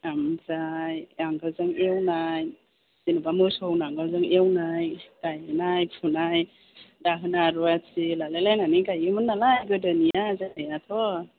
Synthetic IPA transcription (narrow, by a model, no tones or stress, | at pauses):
amzajaŋɡazɯŋewnaj | z̥inubamɯsɔwnaŋɡazɯŋewnajkajɯnajpʰunaj | daɦɯnaɾuasilalalajnanikajɯmɯnːalajɡɯdɯnijazanajat̪ʰɔ